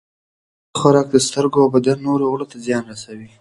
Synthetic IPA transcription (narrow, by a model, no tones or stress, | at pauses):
xaɾɑk̚d̪əst̪əɾɡoawbad̪anːoɾoɣɽot̪azjɑnɾasawi